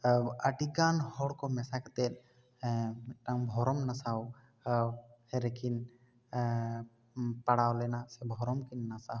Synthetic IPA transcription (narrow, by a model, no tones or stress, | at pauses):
aʈiɡanhɔɽkɔmɛsakɛt̪ɛl | ʈaŋbʱɔɾɔmnasaw | hɛɾɛkʰin | paɽawlɛnasɛbʱɔɾɔmkinːasa